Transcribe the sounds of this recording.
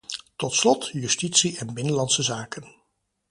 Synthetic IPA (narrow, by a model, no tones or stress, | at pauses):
tɔtslɔtjɵstitsiʔɛnbɪnəlɑnsəzaːkən